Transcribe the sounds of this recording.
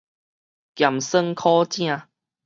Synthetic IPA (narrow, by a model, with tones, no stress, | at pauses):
kja˨˩msə˥˧ŋkʰɔ˦t͡ɕjã˥˧